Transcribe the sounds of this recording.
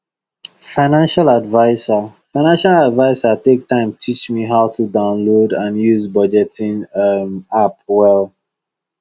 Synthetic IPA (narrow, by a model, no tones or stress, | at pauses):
faɪnãnʃaladvaɪsafaɪnãnʃaladvaɪsatek̚tãɪ̃mtʰit͡ʃmiɦaʊtʰudãʊ̃nlodãnjuzbɔd͡ʒɛtĩnmap̚wɛlˠ